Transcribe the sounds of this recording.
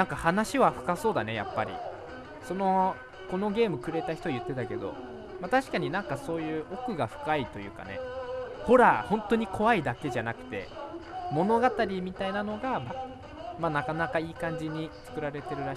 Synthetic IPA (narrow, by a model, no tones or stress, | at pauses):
nãŋkahanaɕiβaɸɯ̟̥kaso̞ːd̪ane̞ja̰pːa̰ɾʲḭ | so̞no̞ | ko̞no̞ɡʲe̞ːmɯ̟kɯ̟ɾe̞t̪açi̥o̞ajɯ̟t̪ːe̞t̪ake̞d̪o̞̰ | mat̪aɕi̥kaɲ̟inãŋkaso̞ːjɯ̟ːʔo̞kɯ̟ɡaɸɯ̟̥kait̪o̞jɯ̟ːka̰ne̞̰ho̞ɾahõ̞nt̪o̞ɲ̟ikʰo̞βaid̪ake̞ʑanakɯ̟̥t̪e̞̰mo̞no̞ɡat̪aɾʲimʲit̪ainano̞ɡama | manakanakaiːkãɲ̟d͡ʑiɲ̟it͡sɨ̥kɯ̟ɾaɾe̞t̪e̞ɾɯ̟ɾa